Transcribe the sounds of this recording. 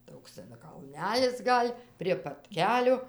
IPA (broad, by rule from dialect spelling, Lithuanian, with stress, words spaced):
ˈtoːks tʲɛn kɐlʲˈnʲælʲɪs ˈɡɐlʲ pʲrʲiɛ pɐt ˈkʲæːlʲoː